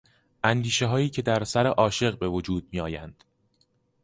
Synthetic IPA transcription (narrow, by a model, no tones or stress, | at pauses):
ʔænd̪iːʃe̞ɦɒːiːcʰe̞d̪æɾsæɾeʔɒːʃe̞ɣbe̞vod͡ʒuːd̪̥̚miːɒːjænd̪̥